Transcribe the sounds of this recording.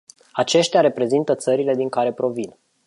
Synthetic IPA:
at͡ʃe̞ʃt̪ʲaɾe̞pɾe̞zint̪ət̪səɾile̞d̪iŋkaɾe̞pɾo̞vin

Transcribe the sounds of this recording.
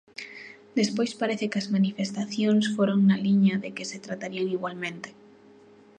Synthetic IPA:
d̪espojspaɾeθekɐzmanifest̪aθjoŋsfoɾoŋnaliɲɐðekeset̪ɾat̪aɾiaβiɣwalmẽnt̪e̥

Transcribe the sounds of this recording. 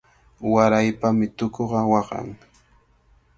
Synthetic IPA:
waɾajpamɪt̪okoɢɑwɑɢɑ̰ŋ

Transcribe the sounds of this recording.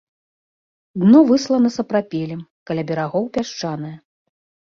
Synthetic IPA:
d̪nɔvɨslˠɐnɐsɐpɾapʲelʲɛmkɐlʲabʲɛɾaɣɔwpʲaʂt͡ʂanɐjɐ

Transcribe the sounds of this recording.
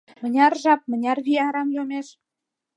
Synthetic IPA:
mə̆nʲɑrʒɑp̚mə̆nʲɑrβiɑɾɑmjomeʃ

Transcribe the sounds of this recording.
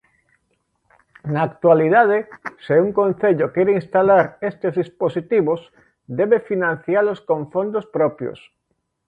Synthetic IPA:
naːkt̪waliðað̞eseuŋkõnθeʎokeɾeinst̪alaɾest̪ezðisposit̪iβos | d̪eβefinãn̟θjaloskõɱfond̪ospɾopjo̰s

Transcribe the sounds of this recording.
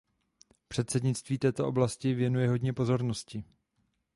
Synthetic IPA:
pr̥ɛt̪sɛdɲɪt͡st̪viːt̪ɛːt̪o̞ʔo̞blascɪvjɛnujɛɦo̞dɲɛpo̞zo̞ɾnoscɪ

